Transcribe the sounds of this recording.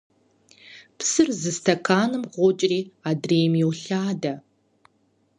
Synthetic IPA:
psɨrzɨstʰɐkʰaːnɨmʁʷʊt͡ʃʼriːaːdreːjmjɛwɬaːdɐ

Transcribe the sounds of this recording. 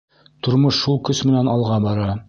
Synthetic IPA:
t̪ŏɾmoʃːulˠkɵsmɘ̆nænɑlˠʁɑbɑɾɑ

